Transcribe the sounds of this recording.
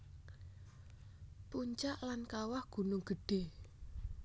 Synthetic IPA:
puɲt͡ʃaʔlankawahɡ̥ṳnʊŋɡ̥ə̤ɖ̥e̤

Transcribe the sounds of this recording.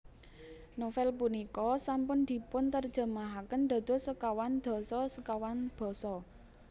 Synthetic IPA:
nofɛlpunikɔsampʊnd̪̥i̤pʊnt̪ərd̥d͡ʒ̥ə̤maɦakənd̪̥a̤d̪̥o̤səkawand̪̥ɔ̤sɔsəkawanb̪̥ɔ̤sɔ

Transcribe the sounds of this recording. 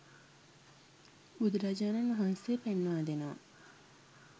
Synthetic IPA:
ud̪ɾad͡ʒaːnenɐɦansepenːaːd̪enaː

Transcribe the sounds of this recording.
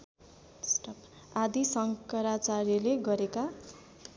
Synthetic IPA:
sʈʌp | ad̪isʌŋkʌɾat͡saɾileɡʌɾeka

